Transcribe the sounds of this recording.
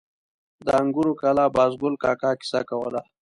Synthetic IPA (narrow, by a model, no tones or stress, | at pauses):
d̪əaŋɡuɾokalabɑːzɡʊlkɑkaki̥sa̰kawə̰la